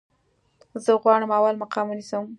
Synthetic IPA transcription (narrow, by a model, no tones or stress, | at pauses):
zəɣwɑɽəmawalmaqɑmunisəm